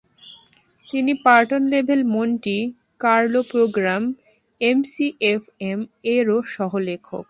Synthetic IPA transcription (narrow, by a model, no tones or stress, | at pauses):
t̪inipaɾʈonlebʱelmonʈi | kaɾlopɾoɡɾam | emsiʔefemeɾoʃɔɦolekʰo̰k̚